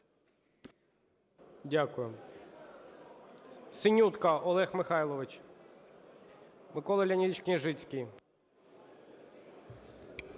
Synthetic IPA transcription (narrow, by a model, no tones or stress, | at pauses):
dʲakʊjʊ | sɪnʲut̪kɐʔɔlˠɛxmɪxɑjlˠɔʋɪt͡ʃ | mɪkɔlˠɐlʲɐnʲid̪ʲit͡ʃʲknʲiʒɪt͡sʲkʲij